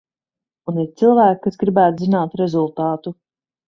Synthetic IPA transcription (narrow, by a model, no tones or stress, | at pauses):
uniɾt̪silˠvæːk̚kːasɡɾibæːt̪zinaːt̪ɾezulˠt̪aːt̪u